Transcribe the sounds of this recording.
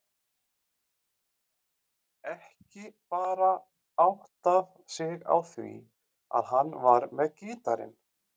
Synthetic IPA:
ɛhcɪpaːɾa | awht̪av | sɪɣa̰wθvḭ | a̰ðɦanːvaɾmɛðcɪːt̪aɾɪ̰n

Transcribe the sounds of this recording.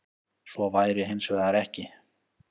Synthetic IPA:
svɔvaːjɾɪɦejnsvɛɣðaɾɛhcɪ

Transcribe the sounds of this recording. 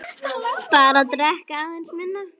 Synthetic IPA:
paɾat̪ɾɛhkaaðejnsmɪnːa

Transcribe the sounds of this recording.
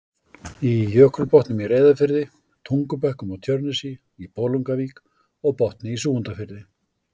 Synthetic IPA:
ijœːkɾʏɾpɔht̪nʏmiɾeːjðafɪɾðɪ | t̪ʰuŋkʏpɛhkʏmaɣt̪ʰjœɾnɪsi | ipoːwluŋkaviːk | ɔɣpɔht̪nɪisuːɣʏnt̪afɪɾðɪ

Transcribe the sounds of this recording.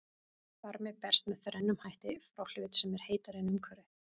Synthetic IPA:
faɾmɪpɛr̥st̪mɛðθɾɛnːʏmhajht̪ɪfɾawl̥ʏːt̪sɛmɛɾ̥heːjt̪aɾɪnʏmkʰvɛɾɪ

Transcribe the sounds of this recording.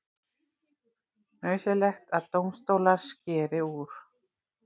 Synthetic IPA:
hœːɥsɪlɛxt̪aðt̪owmst̪oːwlaɾ̥scɛːɾɪuːɾ̥

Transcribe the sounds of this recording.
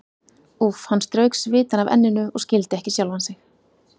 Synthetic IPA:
ufhanːst̪ɾœɥksvɪːt̪anavɛ̰nːɪnʏʔɔ̰ɣscɪlt̪ɪɛhcɪsjawlvhansɪx

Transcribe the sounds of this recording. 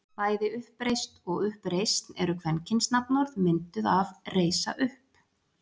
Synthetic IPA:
vaːjðɪʏhpɾejst̪ɔɣʏhpɾejst̪nɛɾʏkʰvɛncɪnsnapnɔɾðmɪnt̪ʏðavreːjsa̰ʔʏhp

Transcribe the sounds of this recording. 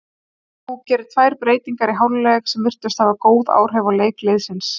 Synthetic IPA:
hucɛːɾʏt̪ʰvajɾ̥pɾeːjt̪iŋkaɾiɦawllɛxsɛmvɪr̥t̪ʏst̪havakoːwða̰ːwr̥ɦɛvaleːjklejðsɪns

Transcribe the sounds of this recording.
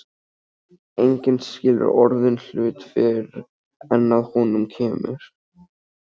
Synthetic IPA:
ejɲcɪnscɪːlʏ̰ɾɔɾðʏnl̥ʏːt̪fɪɾ | ɛnːaðhɔnʏmcʰɛːmɪ̰ɾ̥

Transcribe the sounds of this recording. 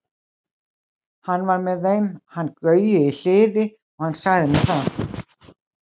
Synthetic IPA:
hanːvaɾmɛðejmhanːkvœːɥjʏil̥ɪːðɪ | ɔhansaɣðɪmɛðθa

